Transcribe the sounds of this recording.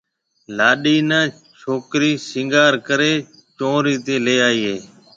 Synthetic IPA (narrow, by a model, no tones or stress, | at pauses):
laːɗiːnəː | t͡ʃʰoːkɾiːsɪ̃ŋɡaːɾkəɾeː | t͡ʃõːɾiːt̪eːleːaːiːɦeː